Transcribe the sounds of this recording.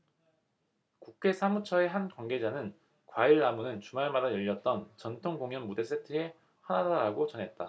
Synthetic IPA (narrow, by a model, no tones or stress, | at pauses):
kukʰe̞sʰamut͡ɕʰʌe̞ɦankwaŋɡe̞d͡ʑanɯn | kwaiɭːamunɯnt͡ɕumaɭmadajʌʎːʌt̚t͈ʌnt͡ɕʌntʰoŋɡoŋjʌnmude̞s͈ʰetʰɯe̞ | hanadaɾaɡot͡ɕʌnɦe̞t̚t͈a